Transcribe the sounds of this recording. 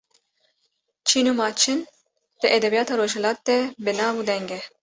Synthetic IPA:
t͡ʃʰiːnuːmɑːt͡ʃʰɪn | d̪̥ɨʔɛd̪ɛbijɑːt̪ɑːɾoːʒhɛlɑːt̪̚d̪ɛbɨnɑːvud̪ɛŋɡɛ

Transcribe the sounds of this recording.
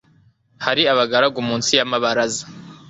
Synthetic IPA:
haɾiaβaɡaɾaɡumuːnsijamaβaɾazḁ

